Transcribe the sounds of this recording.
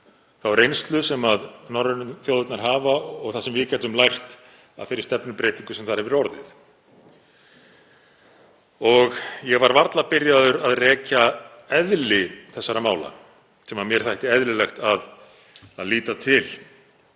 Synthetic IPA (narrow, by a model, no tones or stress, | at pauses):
θawvaɾejnst̪lʏsɛmaðnɔɾʏnθjowðɪt̪naɾ̥ɦaːvaɔɣθasɛmvɪðcɛt̪ʏmlajr̥t̪ | a̰ðfɪɾɪɾ̥st̪ɛpnʏpɾeːjt̪iŋkʏsɛmθaɾ̥hɛvɪɾɔɾðɪ̰θ | ɔɣjɛɣvaɾvaɾt̪lapɪɾjaðʏɾaðrɛːca | ɛðlɪθɛsːaɾamaːwla̰ | sɛmamjɛɾ̥θajht̪ɪɛðlɪlɛxt̪að | aðliːt̪at̪ʰɪl